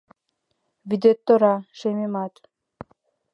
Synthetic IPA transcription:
vid̪et̪ːoɾɑʃememɑt̪

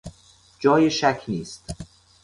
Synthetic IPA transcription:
d͡ʒɒːjeʃækʰniːst̪

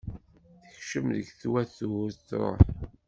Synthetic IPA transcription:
θəçʃəmðəɡθwæθuʊɾθɾˤo̰ħ

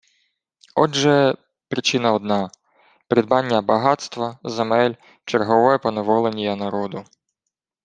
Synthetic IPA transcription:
ɔʒɛ | pɾɪt͡ʃɪnɐɔd̪nɑ | pɾʲɪd̪̚bɑnʲːɐbɐɦɑt̪st̪ʋɐzemɛlʲ | t͡ʃerɦɔʋɔjɛpɔneʋɔlˠenʲijɐnɐɾɔd̪ʊ

